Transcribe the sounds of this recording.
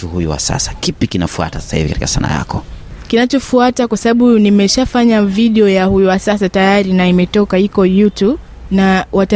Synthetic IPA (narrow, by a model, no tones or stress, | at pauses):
uhujṵwa̰sa̰sḁkipikinafua̰tasḁsahḭvikati̥kasa̰na̰ja̰kɔkinat͡ʃɔfuatakwasaɓaɓunimɛʃafaɲaviɗɛɔjahujuwasasatajaɾinaimɛtɔkaikɔjutub | nawʔata